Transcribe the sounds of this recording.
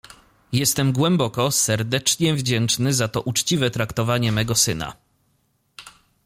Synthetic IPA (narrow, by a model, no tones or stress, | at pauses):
jɛst̪ɛmɡwɛmbɔkɔsɛɾd̪ɛt͡ʂɲɛvd͡ʑɛnt͡ʂnɘzat̪ɔʔut͡ʂt͡ɕivɛt̪ɾakt̪ɔvaɲɛmɛɡɔsɘna̰